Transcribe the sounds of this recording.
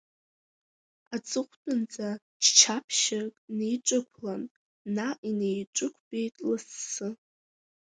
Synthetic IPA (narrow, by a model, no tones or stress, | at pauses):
at͡sʼɨχʷtʼɨnd͡zʼa | t͡ʃʰt͡ʃʰapʰʃakʼnejʈ͡ʂʷʼɨkʷʰlanː | aʔinejʈ͡ʂʷʼɨkʷʰbejtʼlɨsːɨ